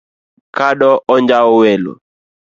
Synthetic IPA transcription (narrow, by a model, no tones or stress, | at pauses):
kaɗɔʔɔɲd͡ʒaɔwelo̰